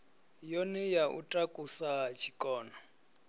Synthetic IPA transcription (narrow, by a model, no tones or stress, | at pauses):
jonɛjaʔṵtʼakʼusat͡ʃʰi̥kʼɔːnɔ